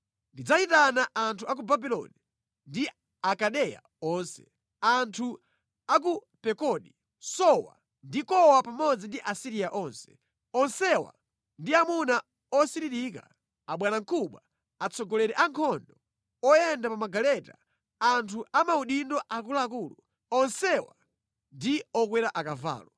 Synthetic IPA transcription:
ndid͡zat͡ʃitanaʔantʰuak̬ubabilɔ̰ni | ndi | akaɗɛja̰ | ɔnsɛ̥̰ | antʰu | ak̬u | pɛkɔɗi | sɔwa̰ | ndikɔwapamɔd͡zindiʔasiɾiaʔɔːnsɛ̥ | ɔnsɛwa̰ | ndiamuna | ɔsiɾiɾika̰ | aɓwanaŋkʰuɓwa | at͡sɔɡɔlɛɾɛʔaŋkʰɔndɔ | ɔjɛndapamaɡalɛta̰ | antʰuʔamauɗindɔʔak̬ulaːk̬ulṵ | ɔnsɛwa̰ | ndiɔk̬wɛɾaʔakava̰ːlɔ

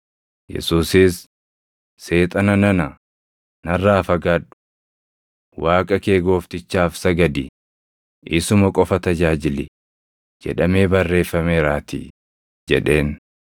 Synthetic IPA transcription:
jɛ̰suːsɪsː | e̞ːt̪ʼɐnɐnɐnɐ | nɐrːaːfɐɡaːᶑʊ̥ | waːkʼɐke̞ːɡo̞ːft̪ɪt͡ʃːaːfsɐɡɐd̪ɪ | ʔɪsʊmɐkʼɔfɐt̪ɐd͡ʒaːd͡ʒɪlɪ | d͡ʒɛ̰ᶑɐme̞ːbɐrːe̞ːfːɐmeːɾaːt̪ɪ̰ | d͡ʒɛᶑe̞ːn

